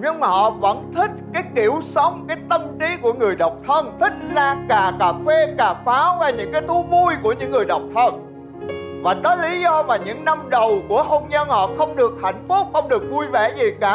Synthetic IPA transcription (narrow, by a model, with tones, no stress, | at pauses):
ɲɨ˧ŋmaː˨˩hɔ̰˧˨və̰˧˥nt̪ʰï˦˥k̟̚kaː˨˦jki˧˩əwsə˨˦wŋ͡mkaː˨˦jt̪ə˧mt͡ɕi˨˦ku˧˩əŋɨ˨˩əjɗa˨˩wk͡p̚t̪ʰə˧nt̪ʰï˦˥k̟̚laː˧˩kaː˨˩kaː˨˩fe˧kaː˨˩faː˨˦wvaː˨˩ɲɨ̰˧˥ŋkaː˨˦jt̪ʰu˨˦vu˧jku˧˩əɲɨ̰˧˥ŋːɨ˨˩əjɗa˨˩wk͡p̚t̪ʰə˧n | vaː˨˩ɗɔ˨˦li˨˦zɔ˧maː˨˩ɲɨ̰˧˥ŋna˧mɗə˨˩wku˧˩əɦo˧nɲə˧nhɔ̰˧˨xə˧wŋ͡mɗɨ˨˩ək̚ha̰˧˩jŋ̟fu˦˥k͡p̚xə˧wŋ͡mɗɨ˨˩ək̚vu˧jvɛ̰˧˩zi˨˩kaː˧˩